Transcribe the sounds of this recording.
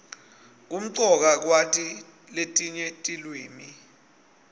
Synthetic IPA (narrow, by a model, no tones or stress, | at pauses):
k̬um̩ǀɔk̬ak̬watʰʼi | letʼiɲɛtʼilweːmi